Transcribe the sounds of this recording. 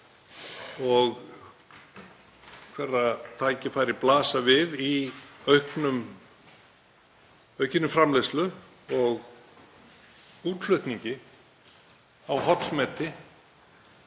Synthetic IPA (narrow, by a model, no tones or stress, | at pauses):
ɔɣ | kʰvɛrːat̪ʰaːjcɪfaːjɾɪplaːsavɪðiœɥhknʏm | œɥhcɪnʏmfɾamleslʏ | ɔɣ | uːt̪l̥ʏht̪niɲcɪ | awɦɔt̪smɛːt̪ɪ